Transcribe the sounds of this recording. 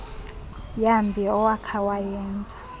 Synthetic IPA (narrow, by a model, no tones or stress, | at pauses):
jambʱiɔwakʰawajɛːnd͡zʱḁ